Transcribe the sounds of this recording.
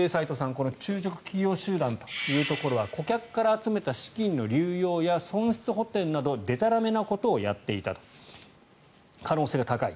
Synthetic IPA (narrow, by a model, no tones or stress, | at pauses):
eːsait̪o̞sãŋko̞no̞t͡ɕɨːt͡ɕo̞kɯ̟̥kʲijo̞ːɕɨːd̪ãnt̪o̞̥jɯ̟ːt̪o̞ko̞ɾo̞βako̞kʲakɯ̥kːaɾaːt͡sɨme̞t̪aɕi̥kʲĩnːo̞ɾʲɨːjo̞ːjasõ̞ɰ̃ɕi̥t͡sɨɦo̞t̪e̞ɾɯ̟nad̪o̞d̪e̞t̪aɾame̞nako̞t̪o̞ːja̰t̪ːe̞it̪at̪o̥ | kano̞ːse̞ːɡat̪akaḭ